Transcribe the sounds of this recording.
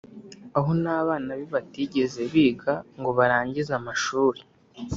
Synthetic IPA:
aɦo̞naːβaːnaβiβatiːɟe̞ze̞βiːɡaŋɡo̞βaɾaːɲɟizamaʃuːɾi

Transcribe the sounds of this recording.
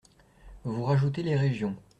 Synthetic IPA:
vuʁaʒut̪̬eleʁeʒjɔ̃

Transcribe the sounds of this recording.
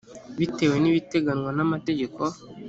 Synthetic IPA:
βiteweniβiteɡaɲwanamateɟeko

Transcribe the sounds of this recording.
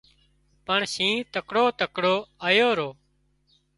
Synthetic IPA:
pəɳsĩːt̪əkɽoːt̪əkɽoːaːjoːɾoː

